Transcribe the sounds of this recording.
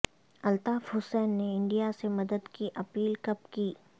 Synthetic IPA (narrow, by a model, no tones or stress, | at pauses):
ɐlt̪aːfɦʊsɛːnːeɪ̃ɳɖijasemɐd̪əd̪kiʔɐpiːlkɐpkiː